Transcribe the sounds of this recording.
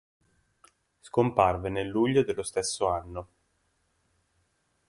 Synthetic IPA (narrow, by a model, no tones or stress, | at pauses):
skomparvenelːuʎːod̪elːost̪esːoanːo